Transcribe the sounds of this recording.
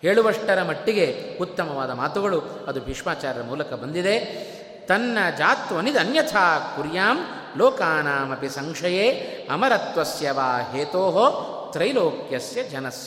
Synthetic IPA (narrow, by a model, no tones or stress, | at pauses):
heːɭuʋɐʂʈɐɾɐmɐʈːiɡeut̪ːɐmɐʋaːd̪ɐmaːt̪uɡɐɭu | ɐd̪ubʱiʂmaːt͡ʃaːɾɐɾɐmuːlɐkɐbɐnd̪id̪e | t̪ɐnːɐd͡ʒaːt̪ʋɐnid̪ɐnjɐt̪ʰaːkuɾjaːm | loːkaːnaːmɐpisɐŋkʂɐjeːɐ̰mɐɾɐt̪ʋɐsjɐʋaːɦeːt̪oːɦo | t̪ɾɐjloːkjɐsjɐd͡ʒɐnɐsjɐ